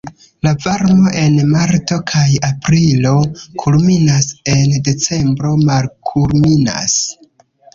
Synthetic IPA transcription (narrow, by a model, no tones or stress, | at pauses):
lavaɾmo̞ʔe̞nmaɾto̞kʰajapɾilo̞kʰulminase̞nde̞t͡se̞mbɾo̞malkʰulmina̰s